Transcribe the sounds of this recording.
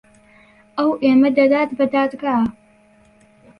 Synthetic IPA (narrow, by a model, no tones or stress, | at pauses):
ɐwʔeːmɐd̪ɐd̪aːt̪bɐd̪aːt̪ɡaa